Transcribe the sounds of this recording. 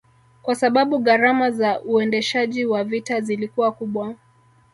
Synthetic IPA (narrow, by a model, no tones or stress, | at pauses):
kwasaɓaɓuɣaɾamazaʔuɛndɛʃaʄiwavitazilikuwakuɓwa